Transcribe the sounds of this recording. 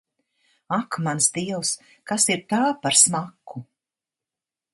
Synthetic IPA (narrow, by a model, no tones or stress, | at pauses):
akmansd̪iɛws | kasiɾt̪aːpaɾsmakːu